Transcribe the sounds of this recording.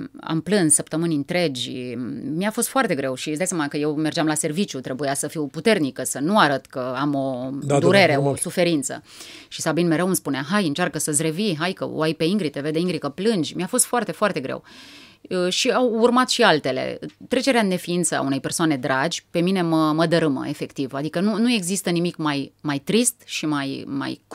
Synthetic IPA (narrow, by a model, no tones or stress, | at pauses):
a̰mplɨnssəpt̪əmɨnʲɨnt̪ɾe̞d͡ʒʲmiafo̞st̪foart̪e̞ɡɾe̞wʃiszd̪ajsamənakəje̞wmerd͡ʒamlase̞rvit͡ʃjut̪ɾe̞bujasəfiwput̪e̞rnikəsənuaɾət̪kəamo̞d̪d̪uɾe̞ɾe̞osufe̞ɾint̪sə̰ | ʃisabinme̞ɾewmspuneaɦajɨnt͡ʃarkəsəzʲɾe̞viɦajkə̰o̰ʔajpe̞iŋɡɾit̪eved̪eiŋɡɾikəplɨnd͡ʒʲmiafo̞st̪foart̪e̞foart̪e̞ɡɾḛw | əʃiawurmat̪ʃialt̪e̞lḛt̪ɾe̞t͡ʃe̞ɾeane̞fiint̪səa̰une̞jpe̞rsoane̞d̪ɾʔad͡ʒʲpe̞mine̞məməd̪əɾɨmə̰e̞fe̞kt̪ivad̪ikənunue̞ɡzist̪ənimikmajmajt̪ɾist̪ʃimajma̰j